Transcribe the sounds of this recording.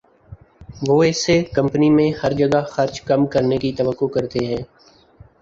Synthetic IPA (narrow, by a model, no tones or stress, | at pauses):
ʋoːɪsekɐ̃mpənimẽhɐɾd͡ʒəɡaxəɾt͡ʃkɐmkɐɾnekit̪əʋəkːokɐɾt̪eɦɛ̃ː